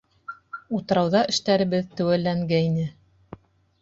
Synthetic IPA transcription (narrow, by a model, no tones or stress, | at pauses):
ut̪ɤ̆ɾɑwðɑʔɘ̆ʃt̪æɾɘ̆βɘðt̪ɘ̆wælːæŋɡæinɘ